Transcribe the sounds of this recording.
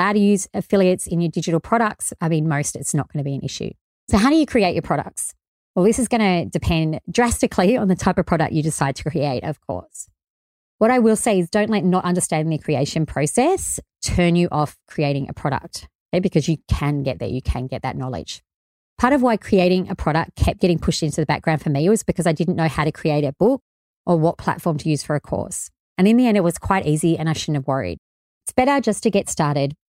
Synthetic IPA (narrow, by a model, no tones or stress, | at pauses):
aʊɾɨjʉzɨfɪlˠiɨtsɨ̃njə˞dɪd͡ʒɨɾl̩ˠpʰɹ̥ɑɾək̚tsaɪmĩnmoʊstɨtsnət̚ɡ̥ʌnɨbiɨ̃nʔɪ̰ʃʉ̰ | soʊɦaʊɾɨjɨkʰɹ̥ieɪt͡ʃə˞pʰɹ̥ɑɾə̰k̚ts | wɛlˠðɪsɨzɡʌñɨdɨpʰɛ̃ndɹæstɨkʰliə̃nðɨtʰaɪpʌv̥pʰɹɑɾɨ̰k̚t͡ʃɨdɨsaɪd̚tʰə̥kʰɹ̥ieɪɾʌ̰v̥kʰɔ̰ɹs | wʌɾaɪwɪlˠseɪɨzdõʊ̃nʔlɛtⁿnəɾʔʌ̃ndə˞stæ̃ñðɨkʰɹ̥ieɪʃɨ̃npʰɹ̥oʊsɛstʰɜ̃˞njɨʔɔfkʰɹ̥ieɪɾɪ̃ŋʔɨ̰pʰɹ̥ɑɾə̰k̚t | jeɪbɨkʰʌzjɨkʰɨ̃nɡɛt̪̚ðə̰˞jɨkʰɨ̰̃nɡɛt̪̚ðɨ̰tⁿnɑlˠɪ̰d̥ʒ̥ | pʰɑɹɾʌvwaɪkʰɹ̥ieɪɾɪ̃ŋʔɨpʰɹ̥ɑɾək̚ʰɛp̚ɡ̥ɛɾɪ̃ŋpʰʊʃtɪ̃ntʉðəbæ̰k̚ɡ̥ɹãʊ̃n̥fə˞miwʌzb̥ɨkʰʌzaɪdɪdⁿn̩noʊhaʊɾɨkʰɹ̥ieɪɾɨb̥ʊk̚ | ʔə˞wʌt̚pʰl̥æ̰tfɔɹmtʰɨjʉz̥fə˞ɨkʰɔ̰ɹs | ɨ̃nɨ̃nðiɛ̃ndɨt̚wʌz̥kʰw̥aɪɾʔiziɨ̃naɪʃʊdⁿn̩hɨvwʌɹḭd̥̚ | ɪtsb̥ɛɾə˞d͡ʒʌstʰɨɡɛtstɑɹɾɪd̥̚